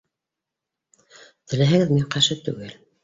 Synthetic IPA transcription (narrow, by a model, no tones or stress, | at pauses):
t̪ɘ̆læɦæ̆ɡɘðmiɴqæʃɘt̪ʉ̰ɡɘl